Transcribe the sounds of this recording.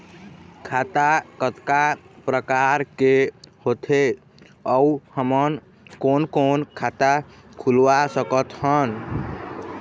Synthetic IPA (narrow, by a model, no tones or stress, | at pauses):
kʰat̪akət̪kapɾəkaɾkehot̪ʰe | əuhəmən | konkonkʰat̪a | kʰulʋasəkət̪hən